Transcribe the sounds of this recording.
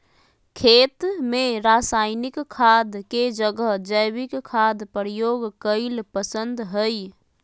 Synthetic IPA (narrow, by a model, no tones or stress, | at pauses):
kʰet̪meɾasajnikkʰad̪ked͡ʒəɡəɦd͡ʒəjbikkʰːad̪pəɾijoɡkəɪlpəsənd̪ɦəj